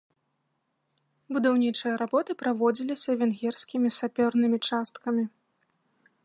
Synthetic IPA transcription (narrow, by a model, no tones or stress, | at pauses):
bud̪awnʲit͡ʂɨjɐɾabɔt̪ɨpɾavɔd͡zʲilʲisʲɐvʲɛnɣʲɛrsʲkʲimʲisapʲɔrnɨmʲit͡ʂast̪kɐmʲi